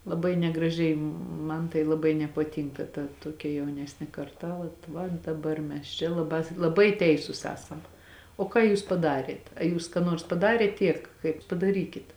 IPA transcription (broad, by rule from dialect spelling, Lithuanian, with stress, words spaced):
lˠɐˈbɐɪ nʲɛɡrɐˈʒʲɛɪ ˈmɐn tɐɪ lˠɐˈbɐɪ nʲɛpɐˈtʲiːŋkɐ tɐ ˈtuɔkʲɛ jɛʊˈnʲæːsʲnʲeː kɐrˈtɐ ˈʋɐt ˈʋɐt dɐˈbɐr mʲɛs ˈt͡ʃʲɛ lˠɐˈbɑː lˠɐˈbɐɪ ˈtʲɛɪsʊs ˈæːsɐm oː ˈkɑː juːs pɐˈdɑːrʲiɛt ɐ ˈjuːs kɑː ˈnuɔrs pɐˈdɑːrʲeːt ˈtʲiɛk kɐɪp pɐdɐˈrʲiːkʲɪt